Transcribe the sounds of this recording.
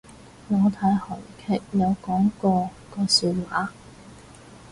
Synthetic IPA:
ŋɔː˨˧t̪ʰaː˨˥jhɔ˨˩jkʰɛː˥k̚jɐ˨˧wkɔː˨˥ŋkɔː˧ | kɔː˧syː˧t̚waː˨˥

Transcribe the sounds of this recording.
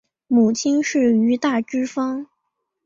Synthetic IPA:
mu˨˩t͡ɕʰi˥nʂɻ̩˥˩y˧˥t̪a˥˩ʈ͡ʂɻ̩˥fɑ˥ŋ

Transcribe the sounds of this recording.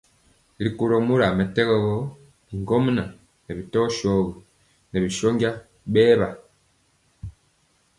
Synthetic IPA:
li˨ku˨ɾo˨mu˦ɾa˨mɛ˨tɛ˦ɣɔ˦ɣɔ˦ | li˨ŋɡɔ˦m˦na˨ | nɛ˨bi˨tɔ˦ʃɔ˦ɣɔ˨ | nɛ˨bi˨ʃo˦ŋɡja˦ | ɓɛː˦βa˨

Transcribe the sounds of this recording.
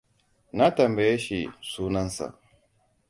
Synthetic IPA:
na˦tɐ˨mbe˨je˦ʃḭ˨suː˦nɐ˦nsa̰˨

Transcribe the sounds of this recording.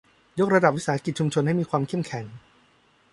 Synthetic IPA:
jo˦˥k̚ɾa˧da˨˩p̚wi˦˥saː˨˦˥ki˨˩t̪̚t͡ɕu˧mt͡ɕʰo˧nha˥˩jmiː˧kʰwaː˧mkʰe˥˩mkʰɛ˩˦ŋ

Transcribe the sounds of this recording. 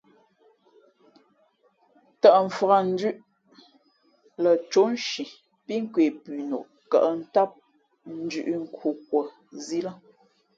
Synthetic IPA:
ta˨ʔɱ̩˨fə˨ɣa˨n̩˦dʉ˦ʔ | lə˨t͡ʃo˨˦n˦ʃi˨ | pi˦ŋ̩˦kwe˨pʉ˨no̰˨ʔ | ka̰˨ʔə˦n̩˦ta˦p̚ | n̩˦d͡ʒʉ̰˨ʔi˦ŋ̩˨kʰu˨k̚wə˨ | zi˦la˦

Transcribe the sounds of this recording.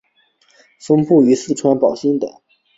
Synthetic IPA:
fə˥ŋpu˥˩y˧˥sɹ̩˥˩ʈ͡ʂʰwa˥npɑ˨˩ʊɕi˥ŋd̪ə̰˨˩˦

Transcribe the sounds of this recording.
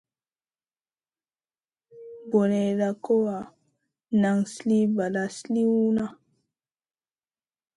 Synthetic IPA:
bo˨ne˨ɾa˨ko˦wa˨ | na˨ŋsli˦ba˨la˨sli˦u˦na˦

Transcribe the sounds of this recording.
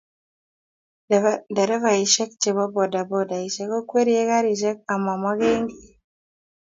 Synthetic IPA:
da˨ɾɛ˦va˨i˨ʃɛ˦k̚t͡ʃe˨βɔ˦bɔ˨da˨bɔ˦da˨i˨ʃɛ˦kɔ˦kwe˦ɾi˦e˦ka˦ɾi˨ʃɛ˦k̚a˨ma˨ma˦ɣe˦ŋɡi˨

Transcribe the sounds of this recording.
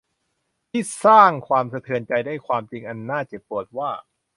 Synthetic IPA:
t̪ʰiː˥˩saː˥˩ŋkʰwaː˧msʰa˧t̪ʰɯ˧ənt͡ɕa˧jdaː˥˩jkʰwaː˧mt͡ɕi˧ŋʔa˧nːaː˥˩t͡ɕa˨˩pːu˨˩ət̪̚waː˥˩

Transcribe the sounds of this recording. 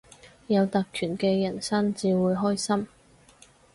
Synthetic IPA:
jɐ˨˧wt̪ɐ˨k̚kʰyː˨˩nkɛː˧jɐ˨˩nsɐ˥ŋt͡siː˨˧wuː˨˧jɦɔː˥jsɐ˥m

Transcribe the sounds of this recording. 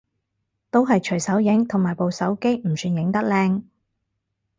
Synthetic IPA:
t̪o˥wɦɐ˨jt͡ʃʰɵ˨˩ɥsɐ˨˥wjɪ˨˥ŋt̪ʰʊ˨˩ŋmaː˨˩jpo˨wsɐ˨˥wke˥jm̩˨˩syː˧njɪ˨˥ŋt̪ɐ˥k̚lɛː˧ŋ

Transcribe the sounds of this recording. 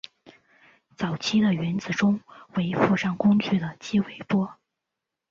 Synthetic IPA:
t͡sɑ˨˩ʊt͡ɕʰi˥d̪ə˨ɥɛ˧˥nt͡sɹ̩˨˩ʈ͡ʂʊ˥ŋwe˧˥ɪfu˥˧ʂɑ˥˩ŋkʊ˥ŋt͡ɕy˥˩d̪ə˩t͡ɕi˥we˧˩ɪpwɔ˥

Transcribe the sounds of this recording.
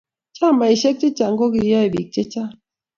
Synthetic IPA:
t͡ʃa˦˨ma˨i˨ʃɛ˦k̚t͡ʃe˦t͡ʃa˨ŋ˦ɡo˦ɡi˨ja˦i˨bi˨k̚t͡ʃe˦t͡ʃa˦

